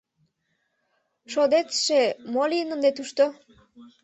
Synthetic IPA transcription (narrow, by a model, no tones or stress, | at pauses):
ʃod̪et͡sʃemoliənənd̪et̪uʃt̪o